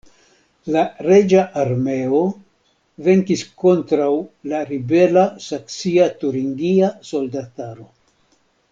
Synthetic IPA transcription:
laɾe̞d͡ʒaʔaɾme̞o̞ | ve̞ŋkisko̞ntɾawlaɾibe̞lasaksiatuɾiŋɡiaso̞ldataɾo̞

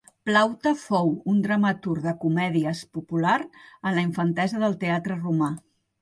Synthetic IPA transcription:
plawt̪əfowund̪ɾəmət̪uɾðəkumɛðiəspupulaɾənləiɱfənt̪ɛzəðəlˠt̪eat̪ɾəruma

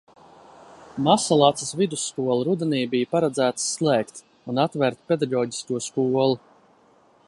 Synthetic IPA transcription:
masalˠat̪səsvid̪usːkuɔlˠɾud̪ɛniːbijpaɾad̪zæːt̪slˠæːkt̪ | unat̪vɛɾt̪̚pʲed̪aɡɔːɟi̥skuɔskuɔlˠu

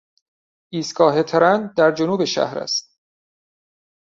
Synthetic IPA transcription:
ʔiːst̪kɒːɦe̞t̪ʰeɾænd̪d̪æɾd͡ʒonuːbe̞ʃæ̰hɾæ̰st̪̚

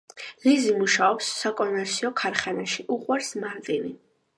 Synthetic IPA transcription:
lizimuʃaɔpsːakʼɔnvɛɾtsʰiɔkʰaɾχɛnaʃiʔuqʼwaɾsmaɾt̪ʼini

